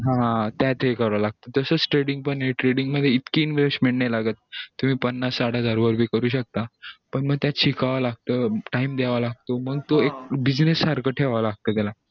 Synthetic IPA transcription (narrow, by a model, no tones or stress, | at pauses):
ɦãt̪jat̪ʰekəɾʋalaɡ̚t̪əd͡z̪əsəsʈɾeɽiŋɡ̚pəɳɦeʈɾeɽiŋɡməd̪ʱːjeit̪kiːnʋesʈmeɽʈɳajlaɡət̪̚ːum̤iːpənːasːaɽ̤ad͡zaɾʋəɾbʱiːkəɾuːɕək̚t̪apəɳməɡ̚t̪jat͡ɕʰikaʋalaɡ̚t̪əːʈaimd̪eʋalaɡ̚t̪om̤əɡ̚t̪oek̚bid͡ʑnesːaɾkʰəʈʰeʋaʋalaɡ̚t̪əːt̪jala